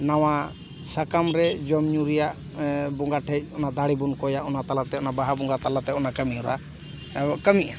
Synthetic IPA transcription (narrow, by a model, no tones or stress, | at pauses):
naw̃a | sakamɾɛd͡ʒɔmɲuɾijaʔ | bɔŋɡaʈʰɛc̚ˀɔnad̪aɽibunkɔjaʔɔnat̪alat̪ɛɔnabaɦabɔŋɡat̪alat̪ɛɔnakəmiɔɾa | kəmiʔa